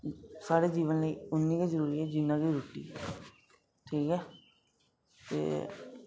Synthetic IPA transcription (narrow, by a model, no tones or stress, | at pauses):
saːɾeːd͡ʒiːʋənləiːʊnːĩːkaːzəɾuːɾiːɛːd͡ʒɪnːãːkiːɾuːʈḭː | ʈʰiːkɛː | t̪ḛː